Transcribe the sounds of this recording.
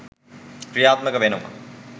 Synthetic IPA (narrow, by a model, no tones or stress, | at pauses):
kɾijaːt̪mɐkɐʋenɐmɐ̰